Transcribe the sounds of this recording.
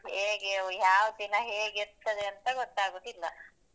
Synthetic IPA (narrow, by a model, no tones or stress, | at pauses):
heːɡejaːʋd̪inɐɦeːɡɛɾt̪ːɐd̪eɐnt̪ɐɡɔt̪ːaːɡud̪ilːɐ